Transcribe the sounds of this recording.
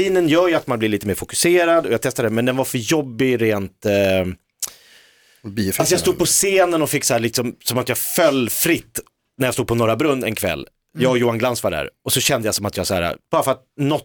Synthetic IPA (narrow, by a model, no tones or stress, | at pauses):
iːnənjœːɾjɵat̪manblɪliːt̪əmeːɾfʊkɵ̥seːɾad̪ɔjaːt̪ʰɛst̪aɾɛmɛnd̪ɛnvaɾfœɾjɔbːɪɾeːnt̪ | alsɔjast̪uːd̪pʰɔseːnənɔfɪkːsɔhæːɭɪksɔmsɔmat̪jɑːɡfœlːfɾɪt̪ː | næɾjast̪uːd̪pʰɔnɔɾabɾɵnːɛ̰nkʰvɛ̰lː | jɑːɡɔjuːanɡlansvaɖæ̰ɾɔsɔɕɛnd̪əjasɔmat̪jɑːɡsaæ̰ːɾa̰b̥ɑːɾafœɾat̪̚nɔt̪